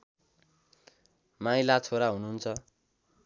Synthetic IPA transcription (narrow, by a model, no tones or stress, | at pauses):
majlat͡sʰoɾaɦunuɦːnt͡sʰʌ